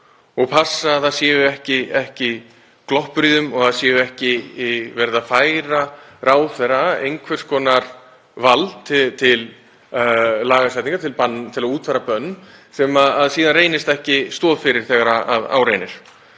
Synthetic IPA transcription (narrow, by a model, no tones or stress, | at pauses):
ɔɣpʰasːaːðθaðsjɛːvʏɛhcɪɛhcɪ | klɔhpɾiːðʏmɔɣaðsjɛːvʏɛhcɪivɛɾðafaːjɾaɾʔaːwθɛɾaḛjŋkʰvɛr̥skʰɔːnaɾ̥ | valtt̪ʰɪt̪ʰɪl | laːɣasɛjt̪niŋkat̪ʰɪlpanːt̪ʰɪlaðuːt̪faːɾapœnːsɛmaðaðsiːðanreːjnɪst̪ɛhcɪst̪ɔːðfɪɾɪɾ̥θɛːɣaɾaa̰ða̰ːwɾejnɪɾ̥